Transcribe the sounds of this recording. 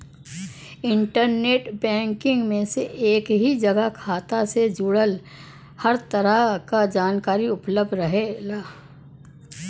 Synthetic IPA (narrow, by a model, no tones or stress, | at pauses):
ɪ̃ɳʈəɾneːʈbɛ̃ːŋkɪ̃ŋɡmẽseʔeːkɦid͡ʒɐɡəkʰaːt̪ased͡ʒuɽəl | həɾt̪əɾəkad͡ʒaːnkaːɾiʊpləb̚d̪ʱɾɐɦeɡaː